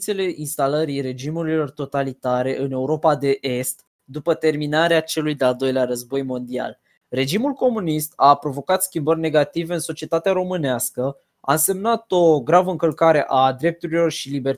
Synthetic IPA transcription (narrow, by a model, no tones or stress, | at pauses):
t̪se̞le̞ʔinst̪aləɾire̞d͡ʒimuɾilo̞rt̪o̞t̪alit̪aɾe̞ʔɨne̞uɾo̞pad̪e̞ʔe̞st̪ | d̪upət̪e̞rminaɾeat͡ʃe̞lujd̪eald̪o̞jleaɾəzbo̞jmo̞nd̪ia̰l | re̞d͡ʒimulko̞munist̪apɾo̞vo̞kat̪skʲimbərʲne̞ɡat̪ive̞ɨnso̞t͡ʃie̞t̪at̪eaɾo̞mɨneaskə | a̰ɨnse̞mnat̪o̞ɡɾavəɨŋkəlkaɾe̞ʔad̪ɾe̞p̚t̪uɾilo̞rʃiliber